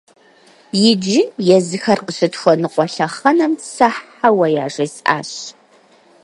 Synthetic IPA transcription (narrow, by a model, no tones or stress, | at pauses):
jɪd͡ʒɪjɛzɨxɐrqəɕɨtxʷɔnɨqʷɔɬɐχɐnɐmsaħ | awɐjaːʐɐsʼa̰ːɕ